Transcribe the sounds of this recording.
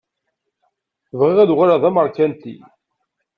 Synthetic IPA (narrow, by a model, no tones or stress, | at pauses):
vʁiʁæðuʁaɾaðˤæməɾˤkænt̪ḭ